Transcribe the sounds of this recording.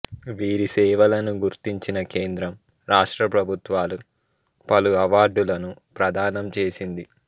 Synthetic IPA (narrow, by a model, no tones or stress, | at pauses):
ʋiːɾisɛːʋɐlɐnuɡuɾt̪iɲt͡ʃinɐkeːnd̪ɾɐm | ɾaːʂʈɾɐpɾɐbʱut̪ʋaːlu | pɐluɐʋaːɾɖulɐnupɾɐd̪ʱaːnɐmt͡ʃeːsind̪i